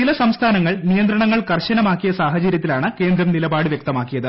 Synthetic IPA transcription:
t͡ɕilɐsɐmst̪ʰaːnɐŋːɐɭnijɐnd̪ɾɐɳɐŋːɐɭkɐrɕɐnɐmaːkːijɐsaːɦɐt͡ɕɐɾjɐt̪ːilaːɳɨke̞ːnd̪ɾɐmnilɐbaːɽɨʋjek̚t̪ɐmaːkːijɐðɨ

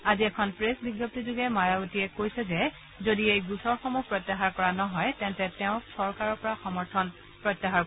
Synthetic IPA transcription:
aziɛkʰɔnpɹesbiɡjɔp̚tizuɡɛmajaɡotiɛkojsɛzɛ | zodiejɡusʰɔɹxɔmupɹɔtːaɦaɹkɔɹanɔɦɔjtɛntɛtɛʊ̃sɔɹkaɹɔɹpɔɹaxɔmɔɹtʰɔn | pɹɔtːaɦaɹ

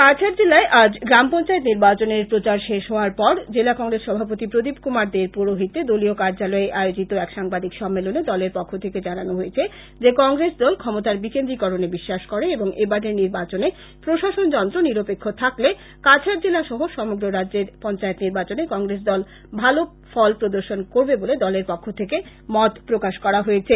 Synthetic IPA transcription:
kat͡ɕʰaɾd͡ʑelaeʔad͡ʑɡɾampɔnt͡ɕaet̪niɾbat͡ɕoneɾpɾot͡ɕaɾʃeʃɦɔoaɾpɔɾd͡ʑelakɔŋɾesʃɔbʱapot̪ipɾod̪ipkumaɾd̪eɾpuɾoɦit̪ed̪oliokaɾd͡ʑalɔeʔaeod͡ʑit̪oɛkʃaŋbad̪ikʃɔmːeloned̪ɔleɾpɔkʰːot̪ʰeked͡ʑananoɦojet͡ɕʰe | d͡ʑekɔŋɾesd̪ɔlkʰɔmot̪aɾbikend̪ɾikɔɾonebiʃːaʃkɔɾeeboŋebadeɾniɾbat͡ɕone | pɾoʃaʃond͡ʑɔnt̪ɾoniɾopekʰːot̪ʰakle | kat͡ɕʰaɾd͡ʑelaʃɔɦoʃɔmoɡɾoɾadd͡ʑeɾpɔnt͡ɕaet̪niɾbat͡ɕonekɔŋɡɾes̬d̪ɔl | bʱalo | fɔlpɾod̪oɾʃonkoɾbeboled̪ɔleɾpokʰːot̪ʰeke | mɔt̪pɾokaʃkɔɾaɦoet͡ɕʰe

